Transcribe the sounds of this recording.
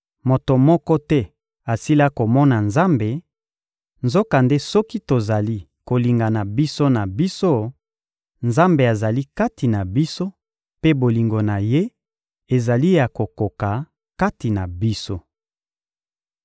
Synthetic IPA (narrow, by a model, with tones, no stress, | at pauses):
mo˨to˨mɔ˦kɔ˦tɛ˦ | a˨si˦la˦ko˨mɔ˦na˨nza˦mbe˨ | nzo˦ka˨nde˦sɔ˦ki˦to˨za˨li˦ | ko˨li˨ŋɡa˨na˨bi˦so˦na˨bi˦so˦ | nza˦mbe˨a˨za˨li˦ka˦ti˨na˨bi˦so˦ | pe˦bo˨li˨ŋɡo˨na˨je˦ | e˨za˨li˦ja˨ko˨ko˨ka˨ | ka˦ti˨na˨bi˦so˦